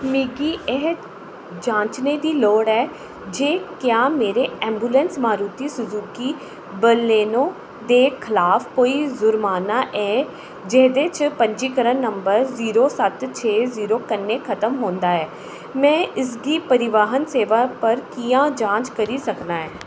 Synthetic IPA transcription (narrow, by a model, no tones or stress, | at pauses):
miːɡiːʔɛɦə | d͡ʒãːɲt͡ʃneːd̪iːloːɽɛː | d͡ʒeːkjaːmeːɾeːɛ̃ːmbuːlɛ̃nsmaːɾuːt̪iːsʊzuːkiː | bəlːeːnõː | d̪eːkʰɪlaːfkoːiːzʊɾmaːnaːʔɛː | d͡ʒeːd̪et͡ʃpəɲd͡ʒiːkəɾənːəmbəɾziːɾoːsət̪t͡ʃʰeːziːɾoːkənːeːkʰət̪əmɦoːnd̪aːɛː | mɛ̃ːʔɪs̬ɡiːpəɾɪʋaːɦənseːʋaːpəɾkijãːd͡ʒãːɲt͡ʃkəɾiːsəknaːɛː